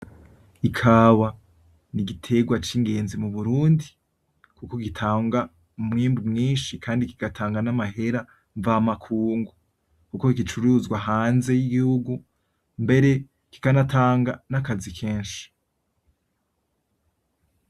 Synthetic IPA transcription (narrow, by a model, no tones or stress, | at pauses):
ikʰaːwa | niɡitʰe̞ɡwat͡ʃiŋɡe̞ːnzimuβuɾuːndi | kuko̞kitʰaːŋɡa | umŋiːmbumŋiːnʃikʰaːndikiɡ̥atʰaːŋɡanamahe̞ɾa | ɱvaːmakʰuːŋɡu | kuko̞kkit͡ʃuɾuzɡwaɦaːnze̞jiɡihuɡu | mbe̞ɾe̞ | ki̥kanataːŋɡanakazikʰe̞ːnʃi̥